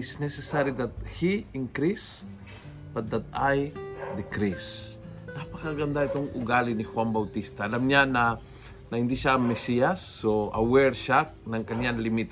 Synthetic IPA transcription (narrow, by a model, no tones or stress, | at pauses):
ɪsnɛsɛsaɾid̪ɐt̪̚hiɪŋkɾis | bɐt̪̚d̪ɐt̪̚ajd̪ɪkɾis | napɐkaɡɐnd̪aʔɪt̪oŋʔʊ̰ɡalɪnɪhwanbɐwt̪ist̪ɐʔːlamɲanɐ | nɐhɪnd̪iʃaɐŋmːɛsiɐsːoʔɐ̰wɛɹʃak̚nɐŋkɐnjanlɪmit̪